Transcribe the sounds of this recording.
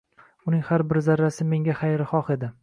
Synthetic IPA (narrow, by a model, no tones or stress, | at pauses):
ʊnɪŋʲhaɾbɪɾzaɾːasɪme̞ŋʲaχajɾɪχɒχe̞d̪ɪ